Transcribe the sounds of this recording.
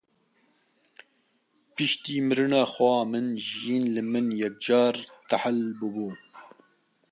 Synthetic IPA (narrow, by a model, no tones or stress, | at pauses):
pɨʃt̪iːmɨɾɨnɑːxwʷɑːmɨnʒijiːnlɨmɨnjɛk̚d͡ʒɑːɾt̪aħalbɨbuː